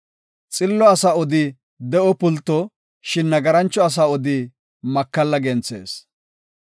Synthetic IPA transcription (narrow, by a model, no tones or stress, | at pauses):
t͡sʼɪlːɔɐsaːɔd̪ɪ | d̪ɛʔɔpʊlt̪ːɔ | ʃɪnːɐɡɐɾɐnt͡ʃːɔɐs̬aːɔd̪ɪ | mɐkːɐlːɐɡɛnt͡sḛːs